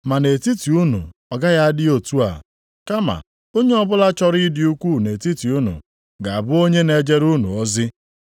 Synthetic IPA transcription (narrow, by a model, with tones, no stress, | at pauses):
ma˨ne˨ti˦ti˨u˦nṵ˨ɔ˨ɡa˦ja˦dɪ˦o˨tu˦a̰˨ | ka˦ma̰˨ | o˦ɲe˦ɔ˦bʊ˦la˦t͡ʃɔ˦ɾi˦dɪ˨u˦kʷu˦˨ne˨ti˦ti˨u˦nṵ˨ | ɡa˨a˨bʊ˦o˦ɲe˦ne˨d͡ʒe˦ɾu˦nṵ˨ɔ˦zɪ˦